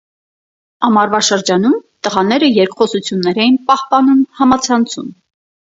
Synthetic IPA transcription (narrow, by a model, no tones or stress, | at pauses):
ɑmɑɾvɑʃəɾd͡ʒɑnumt̪əʁɑnɛɾəjɛɾkχɔsut͡sʰjunːɛɾɛjinpɑhpɑnumhɑmɑt͡sʰɑnt͡sʰṵm